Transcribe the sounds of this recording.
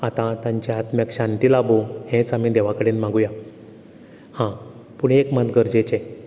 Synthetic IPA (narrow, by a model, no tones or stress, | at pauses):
at̪ãt̪ãɲt͡ɕeat̪mjakɕãnt̪iːlabohẽt͡samid̪eʋakəɽeːnmãɡuja | hã | puɳekmat̪ɡəɾd͡ʑet͡ɕe